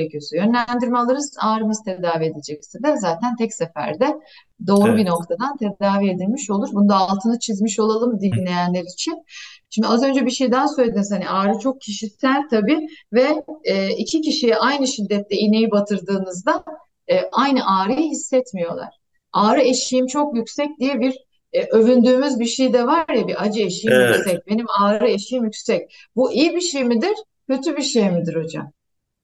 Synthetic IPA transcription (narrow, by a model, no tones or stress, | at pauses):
ecʰijosujø̞nlʲænd̪iɾmɛlˠaɾɯzaːɾɯmɯzt̪ʰed̪aːvie̞d̪ed͡ʒɛcsid̪ɛzaːt̪ʰænt̪ʰɛcsefæ̰ɾd̪ɛ | d̪o̞ːɾubino̞k̚t̪ʰad̪ant̪ʰed̪aːvie̞d̪ilʲmiʃo̞lˠuɾbunud̪aːlˠt̪ʰɯnɯt͡ʃʰizmiʃo̞lˠalˠɯmd̪ilʲe̞jænlʲeɾiːt͡ʃʰinʃimd̪iazø̞nd͡ʒɛbiʃejd̪ænsø̞jlʲed̪iniz̥haniʔaːɾɯt͡ʃʰo̞k̚cʰiʃisælʲt̪ʰabiːvɛː | icʰiciʃijɛʔajnɯʃid̪ːɛt̪ʰlɛine̞jibat̪ʰɯɾd̪ɯːnɯzd̪a | ʔajnɯʔaːɾɯjɯɦisːɛt̪mijo̞lˠa̰ɾ̥ | aːɾɯeʃijimt͡ʃʰo̞kjycsɛc̚d̪ijɛbiɾ | ʔø̞vynd̪yːmyzbiɾʃejd̪ɛvaɾjabiʔad͡ʒɯeʃijimjyksɛc̚be̞nimaːɾɾɯeʃijimjycʲsɛc̚ | buʔijibiʃejmid̪iɾ̥ | cʰø̞t̪ʰybiʃejmid̪iɾo̞d͡ʒa̰m